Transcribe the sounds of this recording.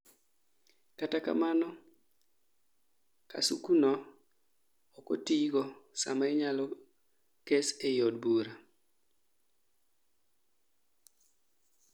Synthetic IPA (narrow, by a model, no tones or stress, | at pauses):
kataka̰manɔ | ka̰sukunɔ | ɔkɔtiɡɔsa̰maɛɲalɔ | kesejɔdbuɾa